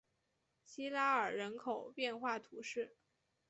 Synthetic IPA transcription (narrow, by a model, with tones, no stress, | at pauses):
ɕi˥la˥ə˞˨˩ɻə˧˥nkʰo˨˩˦ʊpjɛ˥˧nxwa˥˩t̪ʰu˧˥ʂɻ̩˥˩